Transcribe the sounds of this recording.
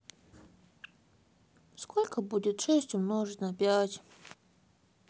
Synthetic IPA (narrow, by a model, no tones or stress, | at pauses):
skʰolʲkəbudʲɪt̪ʂesʲtʲʊmnoʐɨsnəpʲatʲ